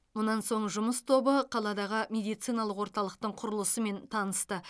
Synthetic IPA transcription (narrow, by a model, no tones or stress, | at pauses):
mʊnɑnso̞ɴʒʊməst̪ʰo̞bəqʰɑlˠɑd̪ɑʁəmʲe̞d̪ijt̪sijnɑlˠəqwoɾt̪ɑlˠəq̚t̪əɴqʰʊɾəlˠəsəme̞nt̪ʰɑnəst̪ə